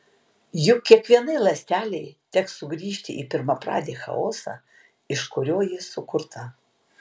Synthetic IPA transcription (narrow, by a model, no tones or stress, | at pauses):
jʊkʲiɛkʋʲiɛnɐɪlˠɐsʲt̪ʲæːlʲɛɪt̪ʲɛkssʊɡɾʲiːʃʲt̪ʲɪ̰ʔḭːpʲɪɾmɐpɾɑ̰ːd̪ʲeːxɐ̰oːsɑ̰ | ɪʃkʊɾʲoːjɪsʊkʊɾt̪ʰɐ